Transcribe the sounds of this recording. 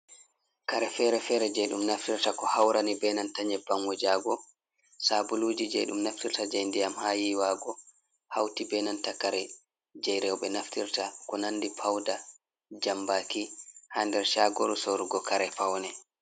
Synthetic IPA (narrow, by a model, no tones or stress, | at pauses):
kaɾɛfɛːɾɛfɛɾɛd͡ʒɛjɗumnaftiɾtakɔhawɾanibɛnantaɲɛbaŋɡɔd͡ʒaɡɔ | sabuluːd͡ʒid͡ʒɛɗumnaftiɾtad͡ʒajndijamhaːjiwaɡɔ | hawtibɛnantakaɾɛ | d͡ʒɛjɾɛwɓɛnaftiɾtakɔnanːdipʰawda | d͡ʒambaːkihandɛɾʃaːɡoɾusoɾuɡɔkaɾɛpawnɛ